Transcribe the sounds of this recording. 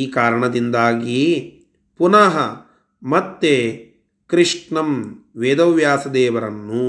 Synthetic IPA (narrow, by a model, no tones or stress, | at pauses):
iːkaːɾɐɳɐd̪ind̪aːɡi | punaːɦɐ | mɐt̪ːe | kɾiʂʈɳɐmʋeːd̪ɐʋjaːsɐd̪ɛːʋɐɾɐnːu